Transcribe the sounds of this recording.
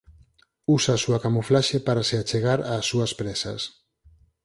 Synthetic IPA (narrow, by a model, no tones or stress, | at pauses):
usaːsuakamuflaʃepaɾaseat͡ʃeɣaɾaːsːuaspɾesa̰s